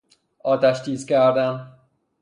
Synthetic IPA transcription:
ɒːt̪ʰæʃt̪iːzkʲæɾd̪æn

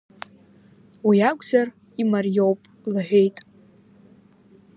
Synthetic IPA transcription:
wiaɡʷʼzar | imarjo̞wpʼ | laħʷᶣe̞jtʼ

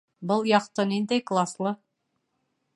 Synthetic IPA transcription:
bɤlˠjɑqt̪ɤnind̪æjklˠaslˠɤ

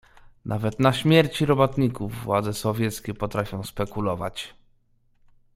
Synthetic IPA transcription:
nʔavɛt̪naɕmʲjɛɾt͡ɕiɾɔbɔt̪ɲikuvːwad̪zɛsɔvʲjɛt̪skʲɛpɔt̪ɾafʲjɔ̃w̃spɛkulɔva̰t͡ɕ

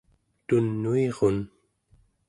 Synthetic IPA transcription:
t̪unːueʁo̞n

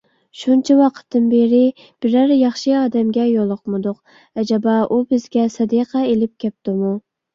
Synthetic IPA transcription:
ʃunt͡ʃʰɛwɑqʰə̥t̪ːɨnbeɾɪ | b̥ɪɾæɾjɑχʃɨɑːd̪ɛmɡʲɛjolˠʊqmɨd̪ʊq | ɛd͡ʒɑbɑʔubɪzɡʲɛsɑd̪iqʰɑelɪp̚kʲʰɛp̚t̪ɪmu

